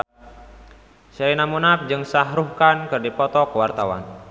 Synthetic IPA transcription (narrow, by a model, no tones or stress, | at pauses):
sɛɾinamunap̚d͡ʒɨŋsaɦɾuhkankɨrdipɔt̪ɔkəwart̪awa̰n